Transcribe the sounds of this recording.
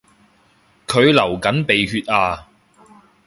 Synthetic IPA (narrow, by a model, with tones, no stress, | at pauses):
kʰɵ˨˧ɥlɐ˨˩wkɐ˨˥npe˨jhyː˧t̚aː˧